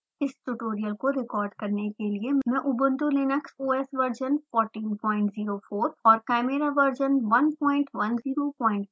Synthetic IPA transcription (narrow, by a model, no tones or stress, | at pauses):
ɪsʈʊʈoːɾijəlkoɾɪkɔːɾɖkɐɾnekeliemmɛ̃ʔʊbʊ̃nt̪ulenəksuːɛːsʋɐɾd͡ʒənfɔːɾʈiːnpɔ̃ːɪ̃ɳʈziːɾofoːɾɔːɾkɛːmeɾaʋɐɾd͡ʒənʋɐnpɔ̃ːɪ̃ɳʈʋɐnziːɾopɔːɪ̃ɳʈ